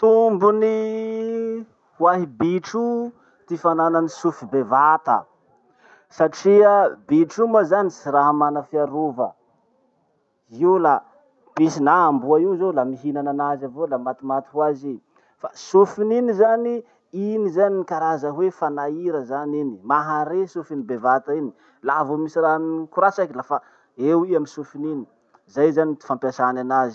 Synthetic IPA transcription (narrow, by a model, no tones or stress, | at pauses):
t̪umbuni | hwaɦibiʈ͡ʂu | t̪ifanananisufibevat̪ə̰ | saʈ͡ʂiabiʈ͡ʂumazanisiɾaɦamanəfiaɾovə̰ | iwla | pisinaambuaiwzolamiɦinananazavolamat̪imat̪u̥huazi | fasufininizani | inizaninikaɾazəɦwefanaiɾəzaninimaɦaɾesufinibevat̪aini | lavomisiɾanikuɾasakʲlafa | ewiamisufinini̥ | zajzanii̥fampjasananazi